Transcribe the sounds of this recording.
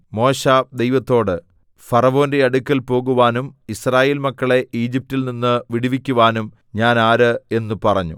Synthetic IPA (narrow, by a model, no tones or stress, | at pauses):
mo̞ːɕaːd̪e̞jʋɐt̪ːo̞ːɽɨ | fɐrɐʋo̞ːnde̞ɐɽukʲːɐlpo̞ːɣuʋaːnumisraːje̞ːlmɐkːɐɭe̞ʔiːd͡ʑip̚tːilninːɨʋiɽiʋikʲːuʋaːnum | ɲaːnaːɾɨe̞nːupɐrɐɲːṵ